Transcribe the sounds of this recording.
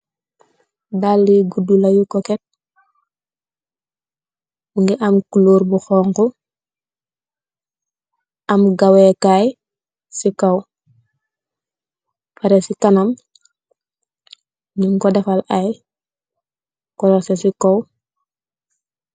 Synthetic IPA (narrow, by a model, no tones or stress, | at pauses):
dalːiɡudulajukɔket̚ | uŋɡɛʔamkuloːɾbuxɔːŋku | ʔamɡawekaj | sikaw | paɾesikanam | ɲuŋkɔdafalaj | kɔlɔsesikow